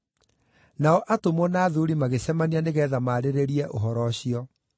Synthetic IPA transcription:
naɔʔatomɔnaːðuɾimaɣesɛmanianeɣɛːðamaːɾeɾeɾiɛʔoɦɔɾɔɕiɔ

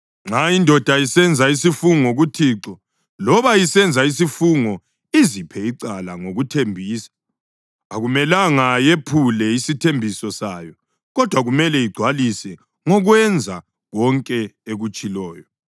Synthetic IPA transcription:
ŋ͡ǁaindʱɔd̥ʱaisɛnd͡zʱaisifuŋoɣutʰiːǁɔ | lɔβajisɛnd͡zʱais̬ifuŋɔ | izipʰɛiǀalaŋoɣutʰembʱiːsḁ | aɣumɛlaŋajepʰulɛisitʰembʱisɔsaːjɔ | ɣɔd̥ʱwaɣumɛlɛiɡ͡ǀʱwalisɛ | ŋɔɣwɛnd͡zʱa | ɣɔŋkʼɛeɣut͡ʃʼilɔːjɔ

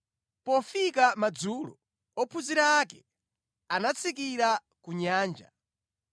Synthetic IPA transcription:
pɔfikamad͡zulɔ̰ | ɔpʰuziɾaːkɛ | anat͡sʰik̬iɾa | kuɲaːnd͡ʒa̰

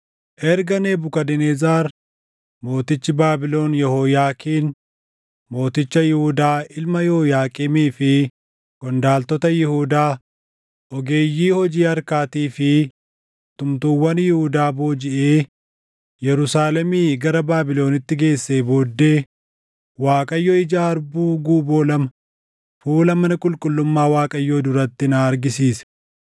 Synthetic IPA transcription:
ʔɛɾɡɐneːbʊkɐd̪ɛneːzaːɾ | mo̞ːt̪ɪt͡ʃːɪbaːbɪlo̞ːnjɛhoːjaːkiːn | mo̞ːt̪ɪt͡ʃːɐjɪhʊd̪aːɪlmɐjɛɔjaːkʼɪmiːfɪ | kɔnd̪aːlt̪ɔt̪ɐjɪhuːd̪aː | ʔɔɡe̞ːjːiːhɔd͡ʒiːɐɾkaːt̪iːfɪ | t̪ʊmt̪uːwːɐnjɪhʊd̪aːbo̞ːd͡ʒɪʔeː | jɛɾʊsaːlɛmiːɡɐɾɐbaːbɪlo̞ːnɪt̪ːɪɡe̞ːsːeːbo̞ːd̪ːeː | waːkʼɐjːɔːɪd͡ʒaːɐɾbuːɡuːbo̞ːlɐmɐ | fuːlɐmɐnɐkʼʊlkʼʊlːʊmːaːwaːkʼɐjːoːd̪ʊɾɐt̪ːɪnaːɾɡɪsiːsɐ̥

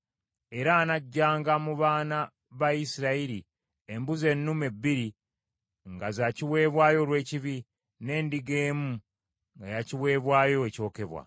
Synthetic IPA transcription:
e̞ɾaːnaɟːaːŋɡamuβaːna | βaisiɾaiɾi | embuze̞nːume̞bːiɾi | ŋɡazaciwe̞ːβwaːjo̞lwe̞ːciβi | ne̞ːndiɡe̞ːmu | ŋɡajaciwe̞ːβwaːjo̞eco̞ːke̞βwa̰

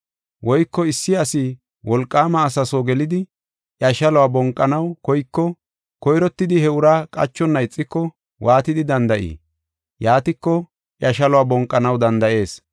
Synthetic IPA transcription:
wɔjkːɔɪsːɪɐsɪ | wɔlkʼːaːmɐːsɐsoːɡɛlɪd̪ɪ | ʔjɐʃɐlɔwaːbɔŋkʼːɐnɐwkɔjkːɔ | kɔjɾɔt̪ːɪd̪ɪhɛʊɾaːkʼɐ̰t͡ʃːɔnːɐɪt͡sʼːɪkːɔ | wʔaːt̪ɪd̪ɪd̪ɐnd̪ɐʔḭː | jaːt̪ɪkːɔ | ʔjɐʃɐlɔwaːbɔŋkʼːɐnɐwd̪ɐnd̪ɐʔe̞ːs

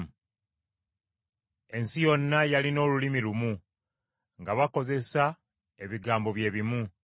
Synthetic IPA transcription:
e̞nsijo̞nːajalino̞ːlulimilumu | ŋɡaβako̞ze̞sa | e̞βiɡaːmbo̞βje̞ːβimu

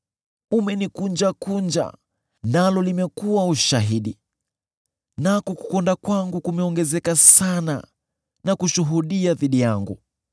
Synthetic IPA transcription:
umɛnikund͡ʒakund͡ʒa̰ | nalɔlimɛkuwauʃaɦiɗi | nakɔku̥kɔndakwaŋɡukumɛɔŋɡɛzɛkasana̰ | nakuʃuɦuɗiaðiɗijaŋɡṵ

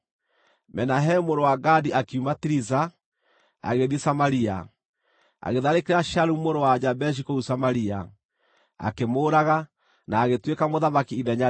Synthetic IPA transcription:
mɛnaɦɛmoɾowaɡadiʔakiumatiɾiza | a̰ɣeðjesamaɾia̰ | a̰ɣeðaɾekeɾaʃaɾumoɾowad͡ʒabɛʃ̬ikousamaɾia̰ | a̰kemoːɾaɣa | naːɣetwekamoðamakiiðɛɲa

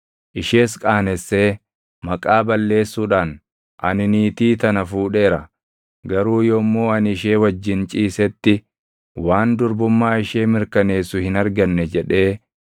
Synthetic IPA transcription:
ʔɪʃe̞ːskʼaːnɛsːe̞ː | mɐkʼaːbɐlːe̞ːsːuːᶑaːn | ʔɐnɪniːt̪iːt̪ɐnɐfuːᶑe̞ːɾɐ | ɡɐɾuːjoːmːoːɐnɪʃe̞ːwɐd͡ʒːɪnt͡ʃʼiːsɛt̪ːɪ | waːnd̪ʊɾbʊmːaːɪʃeːmɪɾkɐne̞ːsʊhɪnɐɾɡɐnːɛd͡ʒɛᶑe̞ː

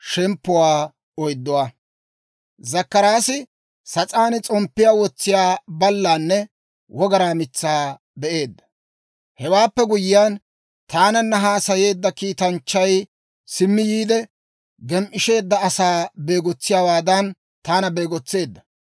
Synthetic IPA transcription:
ʃɛmpːʊwaː | ɔjd̪ːɔwa | zɐkːɐɾaːsɪ | sɐt͡sʼaːnɪt͡sʼɔmpːɪjaːwɔt͡sːɪjaːbɐlːaːnːɛ | wʔɔɡɐɾaːmɪt͡sːaː | bɛʔe̞ːd̪ːɐ̥ | hɛwaːpːɛɡʊjɪjaːn | t̪aːnɐnːɐɦaːsɐje̞ːd̪ːɐkiːt̪ɐnt͡ʃːɐj | sɪmːɪjiːd̪ɛ | ɡɛmʔɪʃe̞ːd̪ːɐɐsaːbe̞ːɡɔt͡sːɪjaːwaːd̪ɐn | t̪aːnɐbeːɡɔt͡sːe̞ːd̪ːɐ

